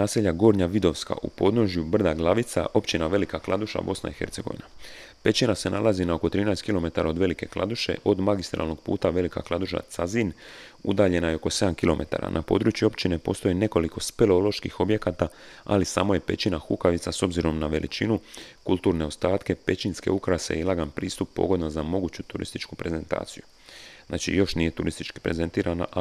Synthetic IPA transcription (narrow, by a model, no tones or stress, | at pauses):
naːseʎːaɡo̞ːɾɲaʋid̪o̞ʋska̰ʔṵpo̞ːd̪no̞ʒjubr̩d̪aɡlˠaʋit̪sa̰ʔo̞pt͡ʃinaʋe̞likaklˠad̪uʃa̰bo̞sna̰ixe̞ɾt̪se̞ɡo̞̰ʋḭna | pe̞t͡ɕinase̞nʔa̰lˠazinao̞ko̞t̪ɾiːnaːst̪kilo̞me̞t̪aɾao̞d̪ʋe̞like̞klˠa̰d̪uʃe̞̰ʔo̞d̪maɡist̪ɾa̰lˠno̞ɡ̚pṵːt̪aʋe̞lika̰klˠad̪uʃa̰t̪sazin | ṵd̪aːʎe̞najeo̞ko̞se̞d̪amkilo̞mʔet̪a̰ɾa̰nʔapo̞ːd̪ɾuːt͡ʃjuo̞pt͡ʃine̞po̞ːst̪o̞jine̞ko̞liko̞speleolo̞ʃkixo̞bje̞kaːt̪aa̰lisa̰ːmoje̞pe̞t͡ɕinaxukaʋit̪saso̞bziɾo̞mnaʋelʔḭt͡ʃinukulˠt̪uːɾne̞o̞st̪aːt̪ke̞pe̞t͡ʃinske̞̰ukɾasḛjilaɡanpɾiːst̪upːo̞̰ɡo̞d̪nazamo̞ɡuːt͡ɕut̪uɾḭst̪it͡ʃkupɾe̞ze̞nt̪a̰ːt̪siju | znaːt͡ʃḭjo̞ʃnije̞t̪uɾist̪it͡ʃki̥pɾe̞ze̞nt̪iːɾʔana̰ʔ